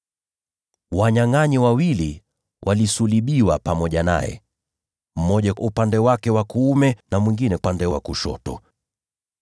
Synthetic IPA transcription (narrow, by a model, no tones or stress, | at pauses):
waɲaŋaɲiwawili | wʔalisuliɓiwapamɔʄana̰jɛ̰ | m̩mɔʄaupandɛwakɛwakuːmɛnamwiŋɡinɛandɛwakuʃɔ̰tɔ